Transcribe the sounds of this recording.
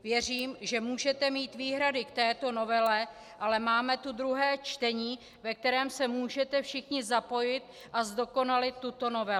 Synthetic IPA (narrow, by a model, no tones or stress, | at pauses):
vjɛriːmʒɛmuːʒɛt̪ɛmiːt̪viːɦɾadɪkt̪ɛːt̪o̞no̞vɛlɛ | ʔalɛmaːmɛt̪ud̪ɾuɦɛːt͡ʃt̪ɛɲiː | vɛk̚t̪ɛɾɛːmsɛmuːʒɛt̪ɛfʃɪxɲɪzapo̞jɪt̪̚ | ʔazdo̞ko̞nalɪt̪ːut̪o̞no̞vɛ